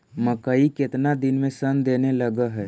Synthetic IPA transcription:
məkəikɪt̪nad̪ɪnmẽsənd̪eːneləɡaɦɛ

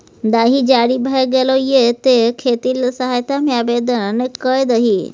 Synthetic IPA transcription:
d̪aːɦid͡ʒaːɽibʱaeɡelojet̪ekʰeːt̪iːlsəɦajt̪amjaːbed̪ənnekəjd̪əɦi

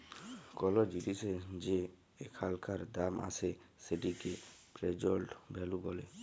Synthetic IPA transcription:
kɔlɔd͡ʒiʈised͡ʒeː | kʰalkʰaɾd̪ama̰seseʈikepɾed͡ʒɔlʈbʱɛlubɔle

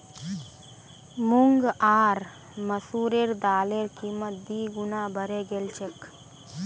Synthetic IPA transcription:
muŋɡaːɾ | məsuːɾeɾd̪aːleɾkiːmət̪̚b̪iːɡʊnaːbʱəɾeɡelt͡ʃʰek

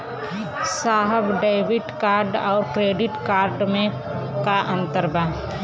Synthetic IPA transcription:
saːɦəbɖaɪbɪʈkaːɾɖɔːɾkɾeːɖɪʈkaːɾɖmẽ | kaʔə̃nt̪əɾbaː

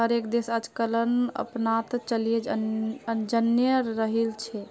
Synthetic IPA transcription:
ɦəɾekd̪esad͡ʒkələnə̰pnat̪t͡ʃəlijed͡ʒ | d͡ʒənjəɾːəɦilt͡ʃʰɛ

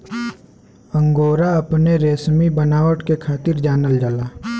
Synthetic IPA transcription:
ə̃ŋɡoːɾaɐpneɾeːsmibənaːʋəʈkekʰaːt̪ɪɾd͡ʒaːnəld͡ʒəlaː

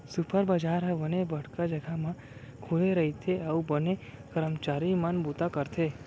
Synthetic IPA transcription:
supʰəɾbəd͡ʒaɾɦʋənebəɽkad͡ʒəɡʱamã | kʰuleɾəɦit̪ʰeaubənekəɾəmt͡ʃaɾimənbut̪akəɾt̪ʰe

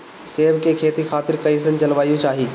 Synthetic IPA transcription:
seːʋkekʰeːt̪ikʰaːt̪ɪɾkɐĩs̬ənt͡ʃɐlʋaːijõt͡ʃaːɦiː

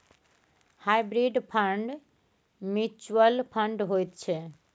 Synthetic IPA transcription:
hajbɾiɖpʰəɳɖ | mit͡ʃuəlpʰəɳɖɦojt̪t͡ʃʰe

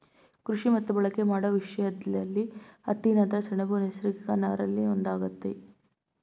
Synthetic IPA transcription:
kɾuʂimɐt̪ːubɐɭɐkːemaːɽɐʋiʂɐjɐd̪ɐlːiɐt̪ːinɐnt̪ɾɐsɐɳɐbunesɾiɡikɐnaːɾɐlːiond̪aːɡɐt̪ːḛ

